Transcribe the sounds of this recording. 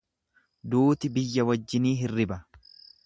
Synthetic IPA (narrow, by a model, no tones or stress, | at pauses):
d̪uːt̪ɪbɪjːɐwɐd͡ʒːɪniːɦɪrːɪbɐ